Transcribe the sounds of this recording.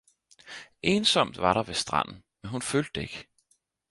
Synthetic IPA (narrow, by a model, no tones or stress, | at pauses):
ʔe̝ːnsɒ̽m̰d̥ʋɑ̈ɾɑ̈ʋe̝sd̥ʁɑ̰n̰n̩ | menɦunføːld̥əe̝ɡ̥ə